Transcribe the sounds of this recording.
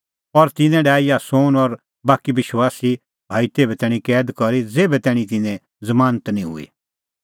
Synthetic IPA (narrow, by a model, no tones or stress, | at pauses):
ɔɾt̪ɪnɛ̃ɖaːijasoːnɔɾ | baːkiʋɪʃwaːsi | bʱaːit̪eːbɛt̪ɛːɽ̃ĩkɛːd̪kɔɾid͡zeːbɛt̪ɛːɽ̃ĩt̪̬ɪnẽ | zɐmaːnət̪nĩɦʊ̰ḭ